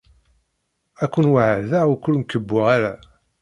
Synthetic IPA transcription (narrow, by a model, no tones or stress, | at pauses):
ækʷːənwaʕəðæukʷːʊlmkəbːʊʁaɾæ